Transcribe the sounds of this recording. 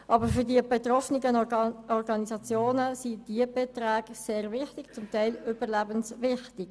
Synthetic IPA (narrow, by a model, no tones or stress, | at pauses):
ʔɑbəɾfʏʁdiəbɛt̪rɔfnɪɡəɔɾɡɑnisɑt͡sjoːnəsid̥iəb̥et̪ɾaːɡseːʁvɪχtɪkt͡sʊmtaɪlʏbəʁlæbənsvɪχtɪɡ̥